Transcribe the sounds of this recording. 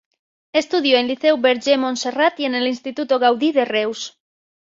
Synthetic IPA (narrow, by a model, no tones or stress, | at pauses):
est̪uðjoenliθewbeɾʒemõnserat̪ienelinst̪it̪ut̪oɣawðiðerews